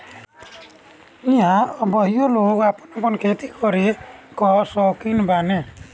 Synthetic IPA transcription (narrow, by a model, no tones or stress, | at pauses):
ĩjaɔbɔɦijolokapɔnɔpɔnkʰet̪ikʰɔɾikɔsɔkinbane